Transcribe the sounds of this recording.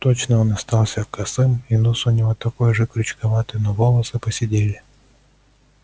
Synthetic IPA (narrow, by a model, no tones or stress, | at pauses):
t̪ot͡ɕnəonɐst̪alˠsʲəkɐsɨminusʊnʲɪvot̪ɐkojʐɨkɾʲʊt͡ɕkɐvat̪ɨjnɔvolˠəsɨpəsʲɪdʲelʲɪ